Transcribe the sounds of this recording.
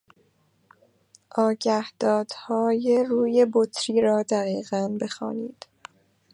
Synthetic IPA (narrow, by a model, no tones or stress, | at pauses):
ʔɒːɟæhd̪̥ɒːd̪̥hɒːjeruːjebot̪ʰɾiːɾɒːd̪æɣiːɣænbe̞xɒ̰ːniːd̪̥